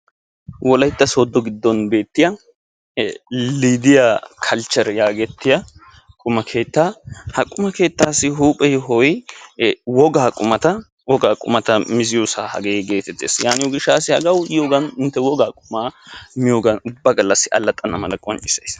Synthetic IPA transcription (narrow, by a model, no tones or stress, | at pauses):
wɔlɐjt̪ːɐsoːd̪ːɔɡɪd̪ːɔnbe̞ːt̪ːɪjɐ | liːd̪ɪjakʰɐlt͡ʃːɐɾjaːɡɛt̪ːɪjɐ | kʼʊmɐkʰe̞ːt̪ːaːhɐkʼːʊmɐke̞ːt̪ːaːsːɪɦuːpʼːɛjɦɔj | wɔɡaːkʼʊmɐt̪ɐ | wɔɡaːkʼʊ̰mɐt̪ɐmɪzɪjosaːhɐ̰ɡeɡe̞ːt̪ɛt̪ːeːsjaːnɪjɔɡɪʃːaːsɪhɐ̰ɡɐwɪjoːɡɐnɪnt̪ːɛwɔɡaːkʼʊmaːmɪjoɡɐnʊbːɐɡɐlːɐsːɪɐ̰lːɐt̪ʼːɐnɐmɐlɐkʼɔnt͡ʃʼɪsɐjs